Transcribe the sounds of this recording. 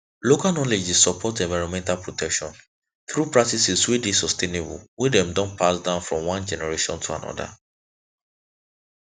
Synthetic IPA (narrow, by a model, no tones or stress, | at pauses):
lokalnɔled͡ʒissɔpʰɔtɛ̃ɱvaɹɔ̃nmɛ̃ntalpʰɹotʰɛkʃɔ̃n | θɹupɹak̚tisiswidisɔstenebṵlwidɛ̃mdɔ̃npʰasdãʊ̃nfɹɔ̃mwãnd͡ʒɛnɛɹeʃɔ̰̃ntʰuã̰nɔ̰da̰